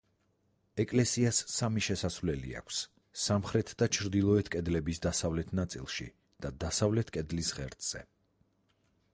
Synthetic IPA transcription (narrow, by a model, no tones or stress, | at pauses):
ɛkʼlɛsiasːamiʃɛsasvlɛlḭa̰kʷʰsː | amχɾɛt̪ʰd̪at͡ʃʰɾd̪ilˠɔɛt̪ʰkʼɛd̪lɛbisd̪asavlɛt̪ʰnat̪sʼḭlˠʃḭ | d̪̥ad̪asavlɛt̪ʰkʼɛd̪lisʁɛɾt̪ʼz̥ɛ̰